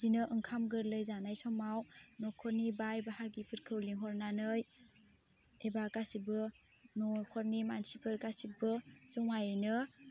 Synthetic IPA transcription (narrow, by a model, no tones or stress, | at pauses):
zinɯʔɯŋkʰamɡɯɾlɯjzanajsɔmawnɔkʰɔɾnibajbaɦaɡipʰɯɾkʰɯwliŋɦɔɾnanɯj | ebaɡasibɯ | nɔkʰɔɾnimansipʰɯɾɡasibɯsɔwŋajnɯ